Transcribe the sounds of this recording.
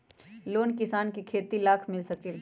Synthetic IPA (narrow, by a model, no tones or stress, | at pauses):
loːnkɪsaːnkikʰeːt̪ilaːkʰmɪlsɐk̚t̪i